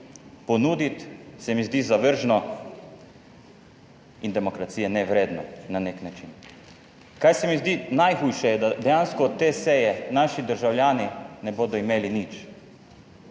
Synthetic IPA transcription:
pɔnuːd̪it̪sɛmizd̪izaʋəɾʒnɔ | ind̪ɛmɔkɾat̪siːjɛnɛʋɾeːd̪nɔ̰naneknat͡ʃin | kajsɛmizd̪iːnajxujʃɛjɛd̪ad̪ɛjaːnskɔːt̪ːeːsɛjɛnaːʃid̪əɾʒawljaːninɛboːd̪ɔimeːlinit͡ʃ

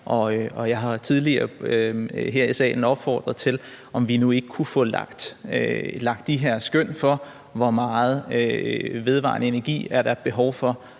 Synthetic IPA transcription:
ʔɒ̽øɒ̽jɑ̈ɪɦɑ̈t͡sʰið̞ˠliɐɐøɦeɐisɛ̰ːnɒ̽b̥fɒ̰ːd̥ʁɐð̩ˠt͡sʰe̝l | ʔɒ̽mʋinue̝ɡ̥əkʰufɔ̰̽lɑ̰ɡ̥d̥ | lɑ̈ɡ̥̚d̥ːiɦeɐ̰sɡ̥øn̰fɒ̽ | ʋɒmɑ̈ːð̞̩ˠ | ʋe̝ð̞ˠʋɑ̰̈ːnəe̝næɐɡ̥ḭːæɐd̥æɐd̥̚b̥e̝ɦɒʊfɒ̽

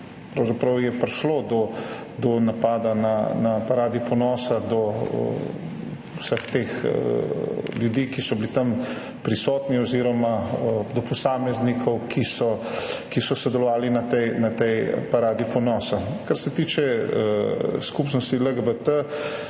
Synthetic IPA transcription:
pɾɐwzapɾɐwjɛpɾʃloːd̪ɔ | d̪ɔnapaːd̪ananapaɾaːd̪ipɔnɔːsad̪ɔ̰ | wsəxt̪eːx | ljud̪iːkisɔbilit̪am | pɾisɔːt̪niɔziɾɔmaəd̪ɔpɔsaːmɛznikʰɔwkʰisɔkisɔsɔd̪ɛlɔʋaːlinat̪ɛjnat̪ɛjpaɾaːd̪ipɔnɔːsakaɾsɛt̪iːt͡ʃɛəskupnɔst̪iləɡəbət̪ə

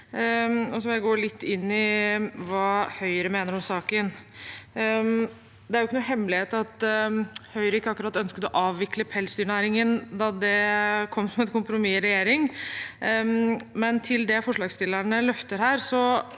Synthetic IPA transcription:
ɔsɔʋɪlæɡoːlɪt̪ʰːɪnːɪʋɑhœʏɾəmeːnəɾɔmsɑːkən | d̪ɛæɾʊɪkːənuːhɛmːlɪheːt̪ɑt̪ | hœʏɾɪkːəɑkːʉɾɑt̪ːœnskəd̪ɔʔɑːʋːɪkləpʰɛlsd̪yːɳæːɾɪŋənd̪ɑd̪ɛkʰɔmːsɔmɛnkʊmpɾʊmɪɾɛjeːɾɪŋ | mɛnt̪ʰɪld̪ɛfɔʂɭlɑːɡst̪ɪlːəɳəlœft̪əɾhæːɾsɔ

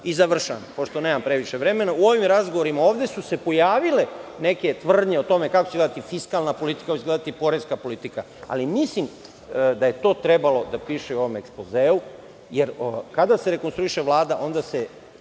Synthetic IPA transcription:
izaʋr̩ʃa̰npo̞ʃt̪o̞ne̞ːmampɾe̞ʋiʃeʋɾe̞me̞nauo̞ʋimɾazɡoʋoɾimao̞ːʋd̪e̞suse̞po̞jaːʋile̞ne̞ke̞t̪ʋr̩d̪ɲeot̪o̞me̞kakot͡ɕeled̪at̪ifiskalˠnapo̞lit̪i̥kakot͡ɕeɡled̪at̪ipo̞ɾeskapo̞lit̪ika | a̰limislim | d̪aje̞t̪o̞ːt̪ɾe̞balo̞d̪apiːʃeuo̞ʋomekspo̞zeːu | jeɾkad̪ase̞ɾe̞konst̪ɾuiʃe̞ʋlˠaːd̪aʔo̞nd̪ase

